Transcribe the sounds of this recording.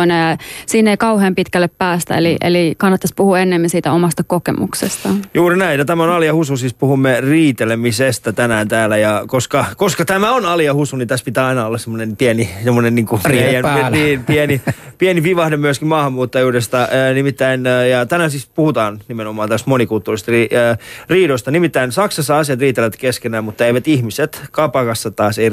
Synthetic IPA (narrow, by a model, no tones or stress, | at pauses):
oneɑsiːnːeikɑuheːmpit̪kælːeppæːst̪æ̰ḛliʔḛlikɑnːɑt̪ːɑspuhuenːemːinsiːt̪æomɑst̪ɑkokḛmṵksest̪ɑjuːrinæijjɑt̪æmæonɑliɑhususispuhumːeriːt̪elemisest̪æt̪ænæːnt̪æːlæjɑkoskɑkoskɑt̪æmæonɑliɑhusunit̪æspit̪æːɑinɑolːɑssemːonenpiænisemːonenniːŋkupiænipiɛnipiɛnipiʋɑhdemyøskimmɑːhɑmːuːt̪ːɑjuːdest̪ɑːnimit̪ːæinːjɑt̪ænænsispuhut̪ɑːnnimenomɑːnt̪æst̪monikult̪ːuːrist̪riːriːdost̪ɑnimit̪ːæinsɑksɑsːɑɑsiɑt̪riːt̪ːeleʋæt̪keskenæːmmut̪ːɑeiʋæt̪ihmiset̪kɑpɑkɑsːɑt̪ɑːsei